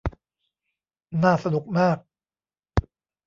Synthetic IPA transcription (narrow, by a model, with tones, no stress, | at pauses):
naː˥˩sa˧nu˨˩k̚maː˥˩k̚